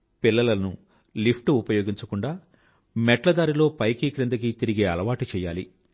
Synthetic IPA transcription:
pilːɐlɐnu | lipʰʈuupɐjo̞ːɡiɲt͡ʃɐkuɳɖaː | mɛʈlɐd̪aːɾilo̞ːpɐjkiːkɾɐnd̪ɐk̬it̪iɾiɡe̞ːɐ̰lɐʋaːʈit͡ʃɛːja̰ːlḭ

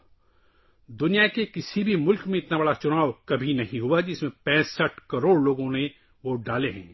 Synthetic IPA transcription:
d̪ʊnijakekɪsibʱimʊlkmẽɪt̪nabɐɽat͡ʃʊnaːʋkɐbʱinɐɦĩɦʊad͡ʒɪsmẽpɛ̃ːsəʈkɐɾoːɽloːɡõne | ʋoɖaːleɦɛ̰̃ː

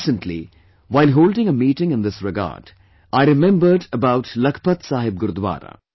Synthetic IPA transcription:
sə̃nʈʰlḭ | ʋaɪlɦoːlɖɪ̃ŋəmiːʈɪ̃ŋɪ̃nd̪ɪsɾɪɡa̰ːɾɖ | aɪɾɪmɛ̃mbəɾɖəbaʊʈlɐkʰə̥pɐt̪saːɦɪb̚ɡʊɾud̪ʋa̰ːɾa̰

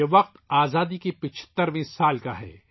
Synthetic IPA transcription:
eʋɐq̚t̪aːzaːd̪ikepɪt͡ʃʰə̥t̪ːəɾʋĩːsaːlkaɦɛ̰ː

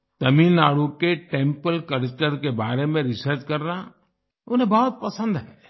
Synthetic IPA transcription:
t̪ɐmiːnːaːɽukeʈẽːmpəlkɐɾkʈəɾkebaːɾemẽɾɪsəɾt͡ʃkɐɾna | ʊnɦẽbɔːɔt̪̚pɐsə̃nd̪ɦɛ

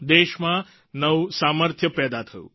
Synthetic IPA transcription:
d̪eʃmã | nəʋsaməɾt̪ʰjəpɛːd̪at̪ʰəjṵ̃

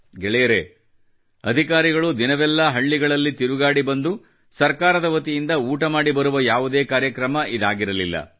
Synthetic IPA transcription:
ɡɛɭɛjɐɾe | ɐd̪ʱikaːɾiɡɐɭud̪inɐʋɛlːɐɦɐɭːiɡɐɭɐlːit̪iɾuɡaːɽibɐnd̪u | sɐɾkaːɾɐd̪ɐʋɐt̪ijind̪ɐuːʈɐmaːɽibɐɾuʋɐjaːʋud̪e̞ːkaːɾjɐkɾɐmɐʔid̪aːɡiɾɐlilːɐ̰

